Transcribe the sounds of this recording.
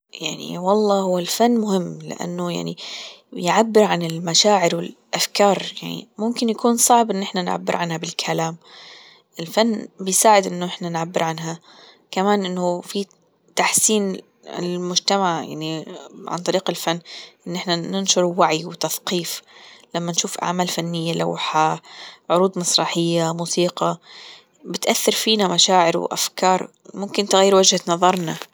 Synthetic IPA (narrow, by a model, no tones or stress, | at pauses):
jaʕnḭwɑlˤːɑːhʊwːalfanːmʊhɪmːlɪ̰ʔa̰nːʊja̰ʕnḭjʕabːɪɾʕanɪlmaʃaːʕɪɾwɪlʔafkɑːɾˤjaʕnḭmʊmkɪnjakuːnsˤɑʕbʔɪnːʔɪħnanʕa̰bːɪ̰ɾʕanhabɪlkʰalaːm | ʔɪlfanːbɪjsaːʕɪd̪ʔɪnːʊʔɪħnanʕabːɪɾʕanɦa | kamaːnʔɪnːʊfi | t̪aħsiːn | ɪ̰lmʊd͡ʒt̪amaʕja̰ʕniʕa̰nt̪ˤɑɾiːqɪlfanːʔɪnːʔɪħnanɪnʃʊɾˤwaʕijwɪt̪aθqiːflamːanʃuːfʔa̰ʕmaːlfanːɪjːala̰wħaʕʊɾuːd̪mɑsˤɾˤɑːħɪjːamuːsiːqɑ | bɪt̪ʔaθːɑɾˤfiːnamaʃaːʕɪɾw̰ʔa̰fkɑːɾˤ | mʊmkɪnt̪ɪɣajːɪɾwad͡ʒhat̪nɑðˤɑɾˤna